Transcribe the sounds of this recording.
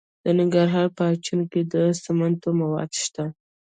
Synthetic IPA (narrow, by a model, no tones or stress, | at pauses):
d̪̥ənɪŋɡaɾɦɑɾpəat͡ʃunoked̪əsamant̪omawɑ̰d̪ʃt̪a